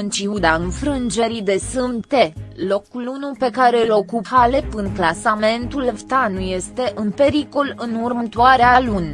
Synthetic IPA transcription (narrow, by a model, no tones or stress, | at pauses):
ɨnt͡ʃiud̪aɨnfɾɨnd͡ʒe̞ɾid̪e̞sɨmt̪e̞lo̞kulunupe̞kaɾe̞ɨlo̞kuphale̞pɨnklasame̞nt̪ulvt̪anuje̞st̪e̞ʔɨnpe̞ɾiko̞lɨnurmət̪uaɾealun